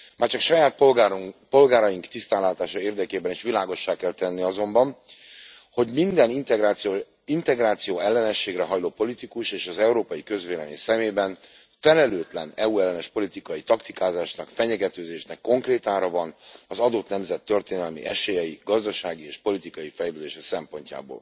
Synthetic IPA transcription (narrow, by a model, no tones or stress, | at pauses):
maːrt͡ʃɒkʃɒjaːt̪̚ppo̞lɡaːɾɒjiŋkt̪ist̪aːnlaːt̪aːʃɒeːrd̪ɛkeːbɛniʃʋilaːɡo̞ʃːaːkɛlt̪ɛnːiɒzo̞mbɒn | ho̞ɟmind̪ɛnit̪ːo | int̪ɛɡraːt̪sijoːɛlːɛnɛʃːeːɡrɛɦɒjloːpo̞lit̪ikuʃeːʃɒzɛuɾoːpɒjikøzʋeːlɛmḭsɛmeːbɛn | fɛlɛløːt̪lɛnɛuɛlːɛnɛʃpo̞lit̪ikɒjit̪ɒkt̪ikaːzaːʃnɒkfɛɲɛɡɛt̪øːzeːʃnɛkːo̞ŋkreːt̪aːɾɒvɒnɒzɒd̪o̞t̪nɛmzɛt̪ːø̞rt̪eːnɛlmḭʔɛʃeːjɛjiɡɒzd̪ɒʃaːɡieːʃpo̞lit̪ikɒjifɛjløːd̪eːʃɛsɛmpo̞ɲca̰ːbo̰ːl